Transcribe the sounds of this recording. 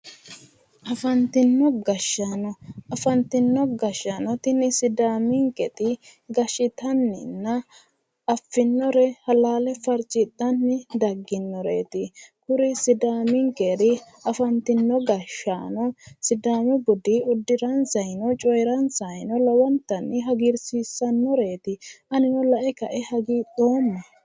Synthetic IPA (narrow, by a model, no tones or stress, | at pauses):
ʔɐfɐnt̪ɪnːɔɡɐʃːanɔɐfɐnt̪ɪnːɔɡɐʃːanɔt̪ɪnɪsɪd̪aːmɪŋkʼɛt̪ɪɡɐʃɪt̪ɐnːɪnːɐ | ɐfːɪnːɔɾɛhɐlaːlɛfɐɾt͡ʃʼɪt̪ʼːɐnːɪd̪ɐɡːɪnːɔɾḛːt̪ɪkʊɾɪsɪd̪aːmɪŋkʼeɾɪ | ɐfɐnt̪ɪnːɔɡɐʃːaːnɔsɪd̪aːmɛbʊd̪ɪʊd̪ːɪɾɐnsɐjnɔt͡ʃʼɔjɾɐnsɐjnɔlɐwɐnt̪ːɐnːɪɦɐɡɪɾsiːsːɐnːɔɾe̞ːt̪ɪʔɐnɪnɔlɐʔɛkɐʔɛhɐɡiᶑ̪ʼo̞ːmːɛ